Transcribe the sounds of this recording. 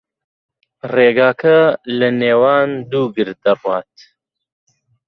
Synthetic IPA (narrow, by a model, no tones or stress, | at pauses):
reːɡaːkʰɐlɨneːwaːnd̪uːɡɨɾd̪ɐrwaːt̪